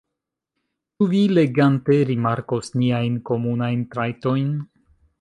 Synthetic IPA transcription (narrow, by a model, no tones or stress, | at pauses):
t͡ʃuvile̞ɡante̞ɾimaɾko̞sniajnko̞munajntɾajto̞jn